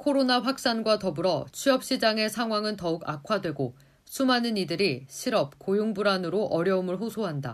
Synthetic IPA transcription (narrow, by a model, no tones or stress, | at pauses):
kʰoɾonaɸwak̚s͈anɡwatʌbɯɾʌt͡ɕʰiʌp̚ɕ͈id͡ʑaŋe̞sʰaŋwaŋɯntʌuɡa̰kʰwadwe̞ɡo | sʰumɦanɯnidɯɾiɕʰiɾʌp̚kojoŋbuɾanɯɾoʔʌɾjʌumɯɭɸosʰoɦanda̰